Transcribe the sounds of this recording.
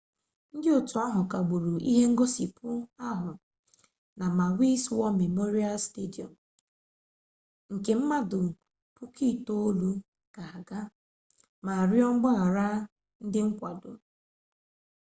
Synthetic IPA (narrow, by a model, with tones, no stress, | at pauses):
n̩˦dɪ˦o˨tu˨a˦ɦʊ˨ka˨ɡ͡bu˨ɾu˨ʔḭ˦ɦe˦ŋ̩˦ɡo˦si˨pʊ˦a˦ɦʊ˨ | na˨ma˨wi˦swɔ˦me˨mo˦ɾi˦a˦lste˦di˨ɔ̰˨m | ŋ̩˨ke˨m̩˦ma˦dʊ˨ | pʊ˦ki˦˨to˦lu˦ | ka˨a˨ɡa˦ | ma˨ɾjɔ˦ŋ͡m̩˦ɡ͡ba˦a˨ɾa˦ | n̩˦dɪ˦ŋ̩˦kʷa˨do˨